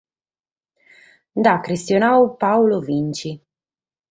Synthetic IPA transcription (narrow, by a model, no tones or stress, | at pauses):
d̪akɾist̪jonawpawlovint͡ʃi